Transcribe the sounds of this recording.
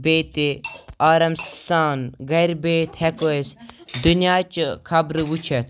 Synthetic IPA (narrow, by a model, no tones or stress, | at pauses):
beːt̪eaːɾɐmssaːnɡɐɾbeːt̪hɛkoesd̪unjaːt͡ʃkʰɐbɾɨʋut͡ʃʰet̪